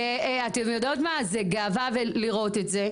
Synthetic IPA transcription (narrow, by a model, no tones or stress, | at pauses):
eatemjod̪otmazeɡaːvaveliʁo̞tetze